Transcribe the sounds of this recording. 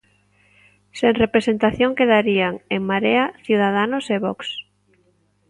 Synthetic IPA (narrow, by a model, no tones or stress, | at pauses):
seŋrepɾesent̪aθjoŋkeðaɾiaŋeŋmaɾeaθjuð̞að̞anʊseβɔks